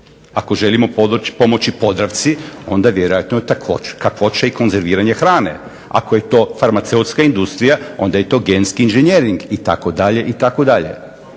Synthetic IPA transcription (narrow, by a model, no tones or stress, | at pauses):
ako̞ʒe̞limo̞po̞mo̞t͡ɕipo̞d̪ɾaʋt̪sio̞nd̪aʋje̞ɾojat̪not̪akokakʋo̞t͡ʃeiko̞nze̞ɾʋiːɾaɲexɾaːne̞̰ | a̰koje̞t̪o̞ːfaɾmat̪seut̪skaind̪ust̪ɾijao̞̰nd̪aje̞t̪o̞ːɡe̞nskiːnʒeɲeɾiŋɡit̪a̰ko̞d̪aʎe̞ʔit̪ako̞d̪aʎe̞̰